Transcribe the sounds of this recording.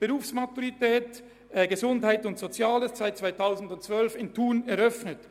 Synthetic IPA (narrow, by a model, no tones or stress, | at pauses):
b̥eʁuːfsmatuʁitɛːt | ɛɡəzʊndhaɪtʊntsot͡sjaːləssaɪt̚t͡svaɪtʰaʊzn̩dʊntt͡sv̥œlfɪntʰuːnɛɾœfnət